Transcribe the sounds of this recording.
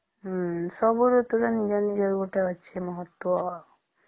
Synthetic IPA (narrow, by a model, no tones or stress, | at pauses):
sɔbuɾut̪uɾanid͡ʒɔnid͡ʒɔɾɡoʈaɔt͡ʃʰemɔɦɔt̪ːwɔ